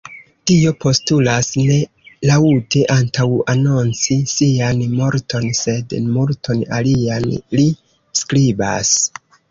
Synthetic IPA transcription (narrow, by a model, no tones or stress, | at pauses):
tio̞po̞stulasne̞ | lautʰeʔantʰawano̞nt͡sisianmo̞ɾtʰo̞nse̞dmultʰo̞na̰lianli | skɾiba̰s